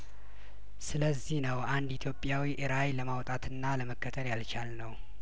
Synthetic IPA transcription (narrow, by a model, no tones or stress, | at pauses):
sɨləzːihnəwand̪it̪ʰjo̞pʼjawiʔɨɾajləmawt̪ʼat̪ʰɨnːaləməkːət̪ʰəɾjalt͡ʃalnəw